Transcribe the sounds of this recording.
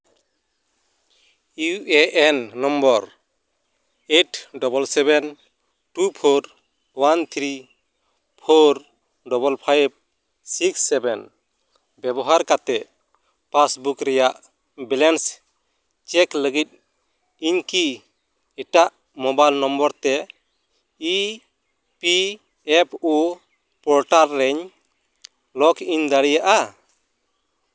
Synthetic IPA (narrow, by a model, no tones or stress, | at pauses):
uɛʔɛnːɔmbɔɾ | eʈɖɔbɔlsɛbɛn | ʈupʰoɾ | want̪ʰɾi | pʰoɾ | ɖɔbɔlpʰajb̚ | siksːɛbɛn | bjɛbɔɦaɾkat̪ɛʔ | pasbukɾɛjaʔ | bɛlɛns | t͡ʃɛkləɡit̪̚ˀ | iɲki | ɛʈaʔ | mɔbajlnɔmbɔɾt̪ɛ | i | pi | ɛpʰu | pɔɾʈaɾːɛɲ | lɔkiɲd̪aɽijaʔa